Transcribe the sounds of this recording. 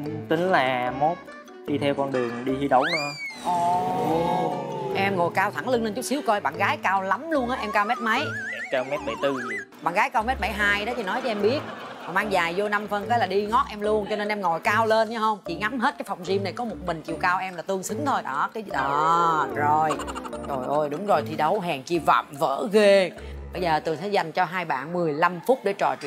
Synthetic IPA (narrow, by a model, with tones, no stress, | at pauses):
t̪ï˨˦ŋ̟laː˨˩mo˦˥t̚ | ɗi˧t̪ʰɛ˧wkɔ˧nɗɨ˨˩əŋɗi˧hi˧ɗə˧˩˦wnɨ˧əʔɔ˨˧˩ | ʔɛ˧mŋo˨˩jkaː˧wt̪ʰa˧˩ŋlɨ˧ŋle˧nt͡ɕu˦˥k͡p̚si˨˦əwkɔ˧jɓa̰ː˧˨nɣaː˨˦jkaː˧wla˨˦mlu˧ənʔaː˨˦ʔɛ˧mkaː˧wmɛ˦˥t̚mə˨˦jʔɛ˧mkaː˧wmɛ˦˥t̚ɓa̰˨˧˩jt̪ɨ˧ | ɓa̰ː˧˨nɣaː˨˦jkaː˧wmɛ˦˥t̚ɓa˧˩jɦaː˧jɗɔ˨˦t͡ɕḭ˧˩nɔ˨˦jt͡ɕɔ˧ʔɛ˧mɓi˦˥ət̚ | a˨˩maː˧ŋzaː˨˩jzo˧na˧mfə˧˩nkə˨˦laː˨˩ɗi˧ŋɔ˦˥t̚ʔɛ˧mlu˧ənt͡ɕɔ˧ne˧nʔɛ˧mŋɔ˨˩jkaː˧wle˧nt͡ɕa˨˦hə˧wŋ͡mt͡ɕḭ˧˩ŋa˨˦mɦe˦˥t̚kaː˨˦jfa˨˩wŋ͡mzi˧mna˨˩jkɔ˨˦mo˨˩t̚mï˨˩ŋ̟kḭ˧˨əwkaː˧wʔɛ˧mlaː˨˩t̪ɨ˧əŋsɨ˨˦ŋt̪ʰo˧jɗɔː˨˦kaː˨˦jɗɔ˨˦zo˨˩jzo˨˩jʔo˧˩jɗʊ˨˦ŋ͡mzo˨˩jt̪ʰi˨˩ɗə˨˦wɦɛː˨˩ŋt͡ɕi˧və̰˧˨mvə̰ː˧˥ɣe˧ɓə˧jzəː˨˩t̪ɨ˨˩ŋsa˨˦˥jza˨˩jŋ̟t͡ɕɔ˧ɦaː˧jɓa̰ː˧˨nmɨ˨˩əjla˧mfʊ˦˥t̚ɗe˧˩t͡ɕɔ̰˧˨t͡ɕ